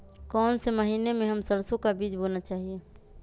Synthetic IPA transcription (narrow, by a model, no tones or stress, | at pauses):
kɔnseməɦinemeɦəmsəɾsõkabid͡ʒbonat͡ʃaɦie